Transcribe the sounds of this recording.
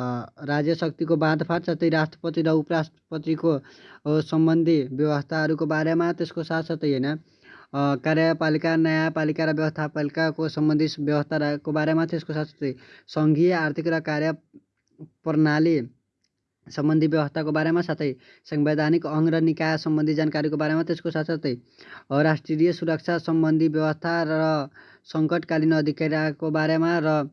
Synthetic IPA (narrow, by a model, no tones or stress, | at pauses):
ɾad͡zjʌsʌk̚t̪ikobãd̪pʰaɾsat̪ʌjɾasʈrʌpʌt̪iɾʌupʌɾasʈrʌpʌt̪iko | sʌmbʌnd̪ʱibjʌwʌst̪ʰaʌɾukobaɾemat̪eskosat̪sʌt̪ʌjɦʌjnʌ | kaɾjʌpalikanʌjapalikaɾʌbjʌwʌst̪ʰapalikakosʌmbʌnd̪ʱibjʌbʌst̪ʰakobaɾemat̪eskosat̪sʌ̥t̪ʌjsɔŋɡijɔaɾt̪ʰikɾɔkaɾjɔ | pɔɾnali | sɔmbʌnd̪ʱibjɔwɔst̪ʰakobaɾemasat̪ʰej | sɔmbed̪ʱanikɔŋɡɾɔnikajɔsɔmbɔnd̪ʱid͡ʒankaɾikobaɾemat̪eskosat̪ʰɔt̪ej | ɾasʈɾiɾijɔsuɾɔk̚t͡ʃʰasɔmbɔnd̪ʱibjɔwɔst̪ʰaɔ | sɔŋkɔʈkalinɔːd̪ʱikaɾjakobaɾemaɾɔ